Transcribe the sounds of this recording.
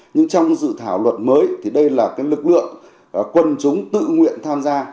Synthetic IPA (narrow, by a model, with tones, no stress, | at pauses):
ɲɨ˧ŋt͡ɕɔ˧wŋ͡mzɨ̰˧˨t̪ʰaː˧˩wlwə˨˩t̚məː˨˦jt̪ʰi˨˩ɗə˧jlaː˨˩kaː˨˦jlɨ˨˩k̚lɨ̰˧˨əŋ˨˩ | kwə˧nt͡ɕʊ˨˦ŋ͡mt̪ɨ̰˧˨ŋwḭ˧˨ənt̪ʰaː˧mzaː˧